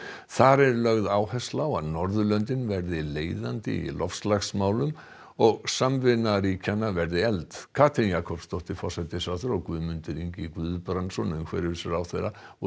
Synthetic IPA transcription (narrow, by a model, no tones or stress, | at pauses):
θaɾɛɾlœɣðaːwhɛst̪lawa̰ðnɔɾðʏlœnt̪̬ɪnvɛɾðɪleːjðant̪ɪ̰ḭlʔɔfslaxsmaːwlʏm | ɔɣsamvɪnːaɾiːcʰanːavɛɾðɪɛlt̪kʰaːt̪ʰɪnjaːkʰɔpst̪owht̪ɪfɔ̥sɛt̪ɪsaθʏɾɔɣkvʏmʏnt̪ʏɾiɲcɪkvʏðpɾansɔnɛðmkʰvɛːɾɪsɪɾawθejɾaɔ